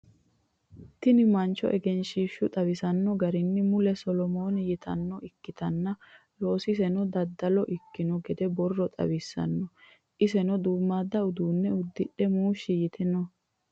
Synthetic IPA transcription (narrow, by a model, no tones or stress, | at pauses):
t̪ɪnɪmɐnt͡ʃːɔ̰ʔɛɡɛnʃiːʃːʊt̪ʼɐwɪsɐnːɔɡɐɾɪnːɪmʊlɛsɔlɔmoːnɪjɪt̪ɐ̰nːɔɪkːɪt̪ɐnːɐ | lo̞ːsɪs̬ɛnɔd̪ɐd̪ːɐlɔʔɪkːɪnɔɡɛd̪ɛbɔrːɔt̪ʼɐ̰wɪsːɐ̰nːɔ | ʔɪsɛnɔd̪uːmːaːd̪ɐʊd̪uːnːɛʊd̪ːɪɗɛmuːʃːɪjɪt̪ɪnɔ